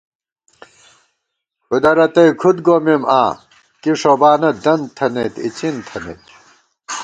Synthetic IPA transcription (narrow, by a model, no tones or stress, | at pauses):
ud̪ɐɾɐt̪ɐjkʰud̪ɡomima̰ː | kiʂobaːnɐd̪ɐnt̪ʰɐnet̪ḭt͡ɕint̪ʰɐnḛt̪